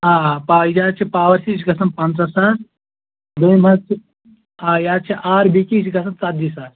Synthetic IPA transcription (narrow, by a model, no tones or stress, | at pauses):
aːpaːd͡ʒaːt͡ʃʰipaːʋɐɾsʰit͡ʃiɡɐsɐnpɐ̃nd̪ɾɐsaːs | d̪ujmɐt͡ʃʰi | aːjaːt͡ʃʰiʔaːɾbikit͡ʃʰiɡɐs̬ɐnt͡sat̪disaːs